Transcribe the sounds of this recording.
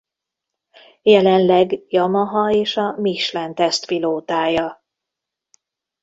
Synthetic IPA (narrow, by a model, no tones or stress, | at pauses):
jɛlɛnlɛɡjɒmɒɦɒeːʃɒmiʃlɛnt̪ɛst̪piloːt̪aːjɒ